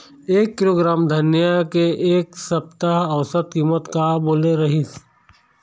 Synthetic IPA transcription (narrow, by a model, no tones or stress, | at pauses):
eːkːɪloːɡɾaːmd̪ʱɐnjakeʔeːksɐp̚t̪aɦɐʋsət̪̚kiːmət̪kaboːleɾɐɦis